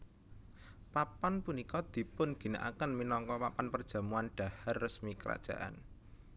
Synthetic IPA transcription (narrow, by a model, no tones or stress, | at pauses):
papanpunikɔd̪̥i̤pʊnɡ̥i̤naʔa̰kənminɔŋkɔpapanpərd̥ʒ̥ä̤muanɖ̥a̤harːəsmikəɾa̰d̥ʒ̥a̤ʔa̰n